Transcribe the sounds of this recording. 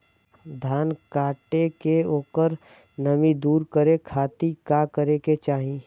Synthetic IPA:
d̪ʱaːnkaːʈekeoːkəɾ | nəmĩd̪uːɾkəɾekʰaːt̪ikakəɾeket͡ʃaːɦĩ

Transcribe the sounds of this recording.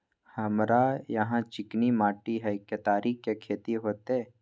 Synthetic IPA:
hɐmɾajɐɦãt͡ʃɪknimaːʈiɦɐɪkːet̪aːɾikkːekʰeːt̪iɦoːt̪eː

